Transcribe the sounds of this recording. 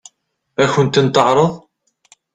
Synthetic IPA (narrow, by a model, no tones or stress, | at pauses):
æçənt̪ənt̪əʕɾˤəðˤ